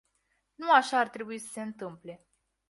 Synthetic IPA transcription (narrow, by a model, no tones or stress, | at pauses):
nuaʃaːrt̪ɾe̞buisə̥se̞ɨnt̪ɨmple̞